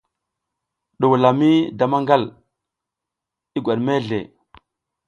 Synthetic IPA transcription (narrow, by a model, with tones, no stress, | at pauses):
ɗu˨wla˨mi˦da˨ma˦ŋɡa˦˨l | i˦ɡʷa˨ɗme˦ɮḛ˨